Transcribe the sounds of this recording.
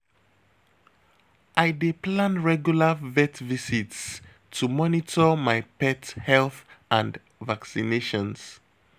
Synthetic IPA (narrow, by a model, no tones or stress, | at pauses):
ʔajdeplãnɹɛɡjulavɛtvisits | tʰumɔnitʰɔmajpɛthɛlθãnd | vaksineʃɔ̃ns